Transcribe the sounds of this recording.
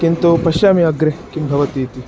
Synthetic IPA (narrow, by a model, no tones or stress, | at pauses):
kint̪opɐʃaːmiɐɡɾekimbʱɐʋɐt̪iːt̪i